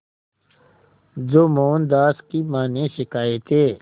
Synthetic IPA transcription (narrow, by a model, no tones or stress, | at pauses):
zoːmoːnd̪aːskimaːnẽʃɪkaːjet̪eː